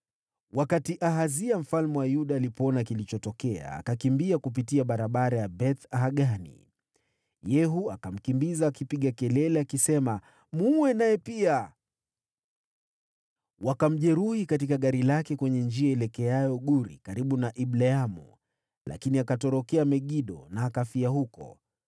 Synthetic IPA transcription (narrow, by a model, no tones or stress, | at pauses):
wakatiʔaɦaziam̩falmɛwajuɗaːlipɔnakilit͡ʃɔtɔkɛa̰ːkakimbiakup̬itiaɓaɾaɓaɾajabɛθaɦaɠanḭ | jɛɦuakam̩kimbizaːkipiɠakɛlɛlɛakisɛma | muwɛnajɛpia | wakam̩ʄɛɾuhikat̬ikaɠaɾilakɛkwɛɲɛnd͡ʒiaɛlɛkɛajɔɠuɾḭkaɾiɓunaʔiɓlɛamṵ | lʔa̰kiniakatɔɾɔkɛamɛɠiɗɔ̰naːkafiaɦukɔ̰